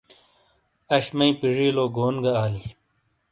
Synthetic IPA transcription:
ɐɕmɐĩpiʐiːloːɡoːnɡɐaːli

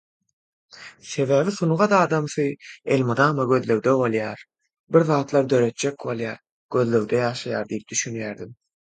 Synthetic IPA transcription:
θe̞væːviθunʁɑd̪ɑːd̪ɑmθɯelʲmud̪ɑːmɑɡø̞ðløwd̪eβo̞lˠjɑːɾ | biɾðɑːt̪lˠɑɾd̪ø̞ɾøt̪̚t͡ʃe̞kbo̞lˠjɑːɾ | ɡ̥ø̞ðløwd̪ejɑːʃɑjɑ̰ːɾd̪ijip̚d̪yʃynjæːɾd̪im

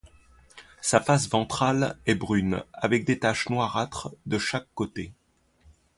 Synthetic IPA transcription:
safasvɑ̃t̪χalɛbʁyna̰vɛk̚d̪et̪aʃnwaʁat̪χd̪əʃakːot̪e

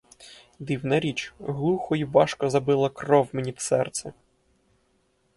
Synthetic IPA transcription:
d̪iwnɐɾʲit͡ʃɦlˠuxɔjibɑʃkɔzɐbɪlˠɐkrɔwmenʲit̪sɛrt̪sɛ

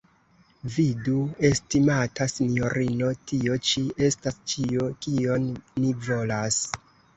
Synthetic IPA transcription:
vidue̞stimatasinjo̞ɾino̞tio̞t͡ʃie̞stast͡ʃio̞kio̞nːivo̞las

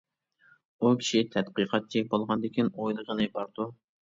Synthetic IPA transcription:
ukʲʰi̥ʃit̪ʰɛt̪̚qɨqʰɑt̪̚t͡ʃʰːik̚ʲbolˠʁɑnd̪ɪkʲinojlˠəʁənɨbɑɾd̪̥u

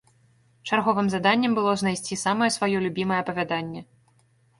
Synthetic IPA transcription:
t͡ʂarɣɔvɨmzad̪anʲːɛmbɨlˠɔznajsʲt͡sʲisamɐjɛsvajɔlʲubʲimɐjɛɐpɐvʲad̪anʲːɛ

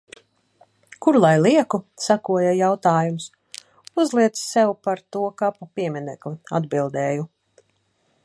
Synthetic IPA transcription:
kuɾlˠajlˠiɛkusakuɔjajawt̪aːjums | uzlˠiɛt̪ssɛwpaɾt̪uɔkapupiɛminɛklˠia̰d̪bilˠd̪ɛːju

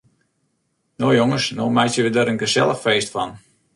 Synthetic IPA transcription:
noːjoŋəsnoːmɛjtjəʋədəɾənɡəsɛ̰lˠəxfeːstfɔn

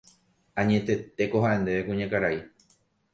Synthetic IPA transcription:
ãɲẽ̞t̪e̞t̪e̞ko̞ɦaʔe̞nd̪e̞ʋekũɲãkaɾai

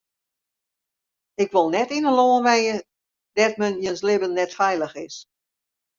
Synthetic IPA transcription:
ɪkʋolˠnɛtinəloːənʋɛjə | dɛt̚mənjənslɪbənːɛtfɛjlˠəxɪs

